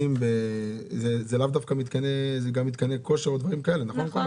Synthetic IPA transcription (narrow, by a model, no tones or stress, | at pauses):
imbezezelavd̪afkamit̪kanezeɡamːit̪̚kaneko̞ʃeʁod̪vaʁimkaelenaχonlkolk